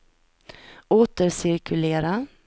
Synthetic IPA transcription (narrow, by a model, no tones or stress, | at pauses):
ʔoːt̪əɾsɪɾkʰɵleːɾa